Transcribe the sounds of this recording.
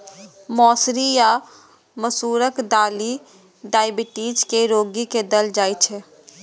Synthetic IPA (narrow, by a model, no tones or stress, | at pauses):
mɔːsɾija | məsuːɾəkd̪aːli | ɖaːɪbɪʈiːd͡ʒkeɾoːɡiked̪əld͡ʒaːjt͡ʃʰɛ